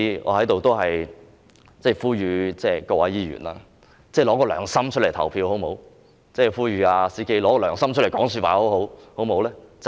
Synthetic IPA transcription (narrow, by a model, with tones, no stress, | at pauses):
ŋɔ̰ː˨˧hɐ˨˥jt̪o˨wt̪o˥wɦɐ˨j | t͡sɛː˥˧˩fuː˥jyː˨˧t͡sɛː˧˩kɔː˧wʔɐ̰˨˥jiː˧ɥy̰ː˨˩na̰ː˧ | t͡sɛː˥˩lɔː˨˥kɔː˧lœː˨˩ŋsɐ˥mt͡ʃʰɵ˥le˨˩jt̪ʰɐ˨˩wpʰiː˧who˨˥wmo˨˥w | t͡sɛː˥˧˩fuː˥ɥyː˨˧aː˧siː˥ke˥jlɔː˨˥kɔː˧lœː˨˩ŋsɐ˥mt͡ʃ̚ʰe˨˩kɔː˨˥ŋsy˧t̚waː˨˧ho˨˥who˨˥who˨˥wmo˨˥wlɛː˥t͡s